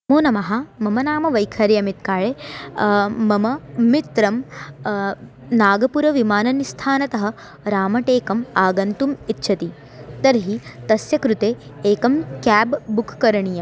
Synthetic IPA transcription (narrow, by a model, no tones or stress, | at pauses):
moːnɐmɐɦɐmɐmɐnaːmɐʋɐjkʰɐɾjɐmit̪̚kaːɭe | mɐmɐmit̪ɾɐm | naːɡɐpuɾɐʋimaːnɐnist̪ʰaːnɐt̪ɐɦɐ̆ | ɾaːmɐʈeːkɐmaːɡɐnt̪umit̪ʃʰɐt̪i | t̪ɐɾɦit̪ɐsjɐkɾut̪eːeːkɐmkaːbːukʰːɐɾɐɳijɐm